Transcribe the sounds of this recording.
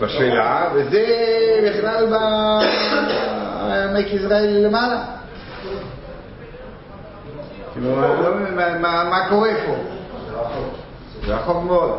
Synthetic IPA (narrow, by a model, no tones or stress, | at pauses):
baʃejlavezebiχlalba | amejkisʁaelːemala | kiluolomemamamako̞ʁepo | zeaχoχmot̪